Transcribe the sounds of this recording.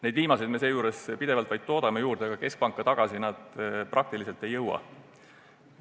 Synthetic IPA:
ned̪viːmɑsed̪me̞se̞ːjuːɾe̞spid̪̥e̞vɑlt̪vɑjd̪̥̚t̪o̞ːd̪ɑmejuːrd̪̥eɡ̥ɑke̞sk̚pɑŋkːˑɑt̪ɑɡ̥ɑsinɑd̪̥pɾʔɑk̚t̪ilise̞lt̪ːˑe̞jːɤwɑ̰

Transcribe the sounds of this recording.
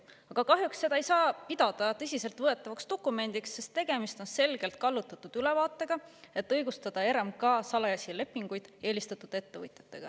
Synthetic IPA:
ɑɡ̥ɑkɑɦjuksse̞d̪ɑejsɑːpid̪̥ɑd̪̥ɑt̪ɤ̞sʲise̞lt̪vɤe̞t̪ːˑɑvɑkst̪o̞kːˑume̞nd̪̥iksːe̞st̪ːe̞ɡ̥e̞mist̪o̞nse̞lɡ̥e̞lt̪̚kɑlːut̪ːˑɑt̪ːˑud̪̥yle̞vɑːt̪ːˑe̞ɡ̥ɑe̞t̪ːˑɤjɡ̥ust̪ɑd̪̥ɑe̞ɾemkɑːsɑlɑjɑsʲile̞pːˑiŋɡ̥ujd̪̥e̞ːlist̪ɑt̪ˑud̪̥e̞t̪ːe̞vɤ̰jt̪jɑt̪ːˑe̞ɡ̥ɑ̰

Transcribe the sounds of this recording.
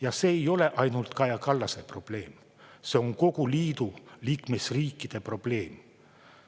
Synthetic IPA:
jɑse̞ːjo̞le̞ʔɑjnult̪kɑjɑkɑlːɑse̞pro̞b̥le̞ːm | se̞o̞ŋko̞ɡuliːd̪̥uliːkme̞sriːkːˑid̪̥e̞pro̞b̥le̞ːm

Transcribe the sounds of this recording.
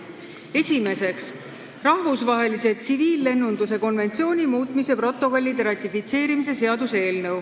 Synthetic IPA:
e̞sʲime̞se̞ks | rɑhvusvɑɦe̞lise̞t̪siviːlːe̞nːund̪use̞ko̞nve̞nt̪sio̞ːnʲimuːt̪ˑmise̞pro̞t̪ːˑo̞ko̞lʲːid̪eɾɑt̪ʲˑifit̪se̞ːɾimis̬e̞se̞ɑd̪use̞ːlnɤw

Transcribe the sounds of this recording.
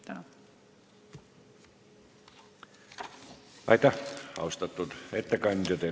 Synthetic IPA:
ɑ | ɑ̰it̪ɑhɑ̰ust̪ɑt̪ːut̪et̪ːækɑnit̪ot̪e

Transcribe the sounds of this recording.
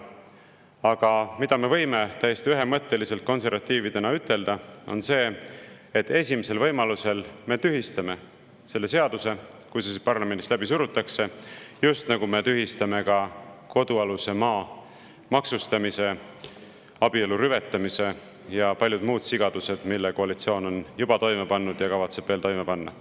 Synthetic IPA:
ɑɡ̥ɑmid̪̥ɑme̞vɤ̞jme̞t̪æjːest̪iyɦe̞mɤt̪ˑːe̞lise̞lt̪̚ko̞nse̞ɾvɑt̪ːiːvid̪e̞nɑyt̪ːˑe̞ld̪ɑo̞̰nse̞ːet̪ːˑe̞sʲimise̞lvɤ̞jmɑluse̞lme̞t̪yɦist̪ɑme̞ | se̞lːe̞se̞ɑd̪̥use̞kujsespɑrlɑmend̪islæb̥isuɾut̪ːˑɑkse̞just̪nɑɡume̞t̪yɦist̪ɑme̞kɑko̞d̪̥uɑluse̞mɑː | mɑksust̪ɑmise̞ | ɑb̥ie̞luɾyve̞t̪ːˑɑmise̞ | jɑpɑlʲjud̪̥muːd̪̥siɡ̥ɑd̪̥use̞d̪̥milːeko̞ɑlit̪sio̞ːno̞njubɑt̪o̞jme̞pɑnːud̪̥jɑkɑvɑt̪se̞b̥veːlt̪o̞jmepɑnːɑ̰

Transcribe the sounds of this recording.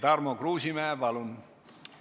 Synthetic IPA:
t̪ɑrmokruːsimæːʋɑlun

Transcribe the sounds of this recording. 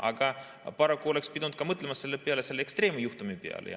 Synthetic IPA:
ʔɑ̰ɡ̥ɑ | pɑɾɑkːˑuo̞le̞kspid̪nd̪̥̚kɑmɤt̪ˑlemɑsːe̞lːepeɑlese̞lːeekst̪re̞ːmujuht̪umipeɑ̰lḛ

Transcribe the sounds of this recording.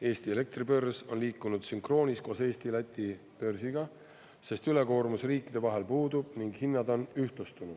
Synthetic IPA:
e̞ːst̪iele̞k̚t̪ribø̞rso̞nliːkːˑunud̪̥syŋkro̞ːnʲisko̞ːse̞ːst̪ilæt̪ʲːˑi | pø̞rsiɡ̥ɑ | se̞st̪yle̞ko̞ːɾmusriːkːˑid̪e̞vɑɦe̞lpuːd̪̥ub̥̚niŋɡ̥hinːɑd̪o̞nyht̪lust̪unud̪̥

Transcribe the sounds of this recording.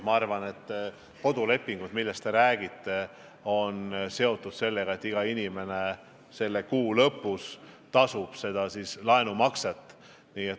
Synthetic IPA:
mɑɑrvɑne̞t̪ː | ko̞d̪̥ule̞pːiŋɡ̥ud̪milːest̪e̞ɾæːɡ̥it̪ːe̞ | o̞nse̞o̞t̪ˑːud̪̥se̞lːeɡ̥ɑet̪ːiɡ̥ɑinʲime̞ne̞ | se̞lːe̞kuːlɤpːˑust̪ɑsub̥se̞d̪̥ɑsislɑe̞numɑkset̪ːˑ | niːet̪

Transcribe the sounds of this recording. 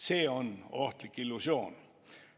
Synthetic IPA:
seːɔnɔt̪lɪkɪlusjoːn

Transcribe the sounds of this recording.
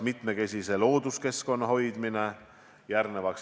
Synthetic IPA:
mit̪ˑme̞ke̞sʲise̞lo̞ːd̪uske̞sko̞nːɑho̞jd̪mine̞ | jærnevɑks

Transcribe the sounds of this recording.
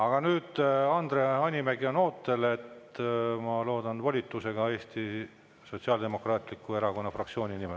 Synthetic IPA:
ɑɡ̥ɑnyːd̪̥ɑnd̪̥rehɑnʲimeɡio̞no̞ːt̪ːˑe̞le̞t̪mɑlo̞ːd̪ɑnvɑlʲit̪ːˑuse̞ɡ̥ɑe̞ːst̪i | so̞tʲsiɑld̪e̞mo̞krɑːt̪ʲˑlikːˑue̞ɾɑko̞nːɑfrɑk̪̚sio̞ːnʲinime

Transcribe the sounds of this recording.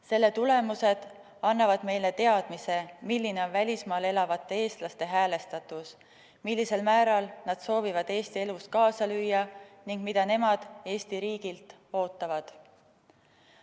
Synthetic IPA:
se̞lːe̞t̪ule̞muse̞d̪̥ | ɑnːɑvɑd̪̥me̞jle̞t̪e̞ɑd̪̥mise̞milʲːine̞o̞nvælʲismɑːle̞lɑvɑt̪ːˑee̞ːst̪lɑst̪e̞ɦæːle̞st̪ɑt̪ːˑus | milʲːise̞lmæːɾɑlnɑd̪̥so̞ːvivɑd̪̥e̞ːst̪ie̞lust̪kɑːsɑlyjːɑniŋɡ̥mid̪̥ɑne̞mɑd̪̥e̞ːst̪iɾiːɡilt̪ | o̞ːt̪ˑːɑvɑd̪̥

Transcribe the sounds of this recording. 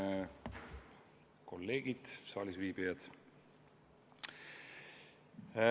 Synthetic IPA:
ko̞lːe̞ːɡ̥id̪̥sɑːlisviːbijɑd̪̥

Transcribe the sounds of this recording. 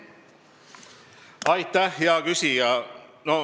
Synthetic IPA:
ɑjt̪ːæhjɑɡysijɑno

